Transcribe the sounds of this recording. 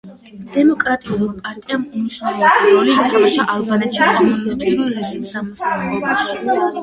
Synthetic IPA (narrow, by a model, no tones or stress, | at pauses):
d̪̥ɛmɔkʼɾat̪ʼiulˠmapʼaɾt̪ʼiamuniʃɾɛvˠɔisiɾɔliːt̪ʰamaʃaʔalˠbanɛt̪ʃikʼanuist̪ʼiɾilɾɛʒimisd̪amɔsasʼχɔbaʃi̥